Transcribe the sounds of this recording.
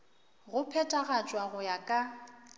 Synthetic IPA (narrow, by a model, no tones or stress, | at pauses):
ɣʊpʰɛtʼaɣat͡ʃʼwaɣʊjakʼa